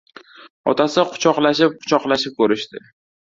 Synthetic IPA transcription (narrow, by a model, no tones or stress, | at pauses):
ɒ̰t̪ʰasɪqʰʊ̥t͡ʃʰɒqlaʃɪp̚qʰʊ̥t͡ʃʰɒqlaʃɪp̚kʰɵɾɪʃt̪ɪ̰